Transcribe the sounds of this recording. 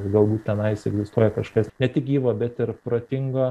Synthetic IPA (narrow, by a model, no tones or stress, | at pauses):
ɡɐlˠbuːt̪̚ʲt̪ʲɛnɐɪsɛɡzʲɪst̪uɔjɛkɐʃkɐsnʲɛt̪ʲɪkʲiːʋoːbʲɛt̪ɪɾpɾoːt̪ʲɪŋɡoː